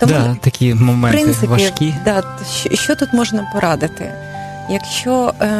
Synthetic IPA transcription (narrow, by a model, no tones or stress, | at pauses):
t̪ɔd̪at̪ɐkʲimɔmɛpɾɪntsɪʋɐʃikʲid̪ɑ | ʃɔʃt͡ʃɔt̪ut̪mɔʒnɐpɔɾɑd̪ɪt̪ɪ̰ | jɐkʃt͡ʃɔ